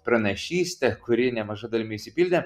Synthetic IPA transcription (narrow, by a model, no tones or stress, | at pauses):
pɾɐnɐʃʲiːsʲt̪ʲɛkʊɾʲɪːnʲɛmɐʒɐd̪ɐlʲɪmʲɪisʲɪpʲilʲd̪ʲ